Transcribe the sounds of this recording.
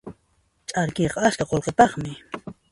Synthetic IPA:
t͡ʃʼaɾkejqɑaskaqolqepɑχmɪ

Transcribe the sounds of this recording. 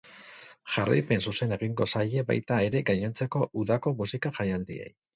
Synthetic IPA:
ʝara̰jpe̞nsuse̞ne̞ɣiŋɡosaʎe̞ba̰jt̪ae̞ɾe̞ɡaɲent͡se̞ko̞ʔuðako̞musikaʝajald̪iḛj

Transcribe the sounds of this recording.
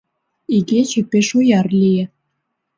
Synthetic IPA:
iɡet͡ɕĕpeʃojɑrlʲijĕ

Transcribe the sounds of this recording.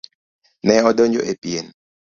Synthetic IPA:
nɛɔdoɲd͡ʒo̰ʔepien

